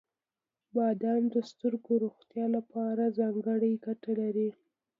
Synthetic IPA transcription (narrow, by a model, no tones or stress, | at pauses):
bɑd̪ɑnd̪əst̪əɾɡoɾoxt̪jɑlapɑɾazɑŋɡəɽəjɡaʈalaɾi